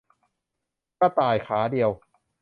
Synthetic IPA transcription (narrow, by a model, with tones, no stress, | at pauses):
ka˥˩t̪aː˨˩jkʰaː˩˦di˧əw